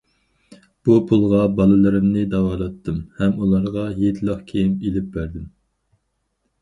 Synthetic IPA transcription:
b̥upʰulˠʁɑbɑlˠɨlˠɨɾɪmnɨd̪ɑwɑːlˠɑt̪ʰːɨmhɛmulˠɑɾʁɑjet̪ʰlˠɑχkʲʰejimelɪp̚bæɾd̪ɪm

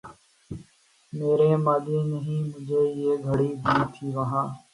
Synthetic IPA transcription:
meːɾeːmaːd̪eːnəɦĩːmʊ̃d͡ʒʱeːɪeːɡʱəɽiːd̪iːt̪ʰiːʋəɦãː

